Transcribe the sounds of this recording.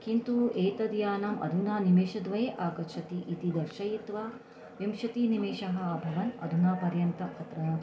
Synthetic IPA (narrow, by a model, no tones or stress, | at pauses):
kint̪ueːt̪ɐd̪jaːnɐmʔɐ̰d̪ʱunaːnimeːʃɐd̪ʋɐjeːʔaːkɐt͡ʃʰɐt̪iʔit̪id̪ɐɾʃɐjit̪ʋaː | ʋimʃɐt̪inimeːʃɐɦɐ̆ːbʱɐʋɐnɐ̰d̪ʱunaːpɐɾjɐnt̪ɐkʰɐt̪ɾɐnɐ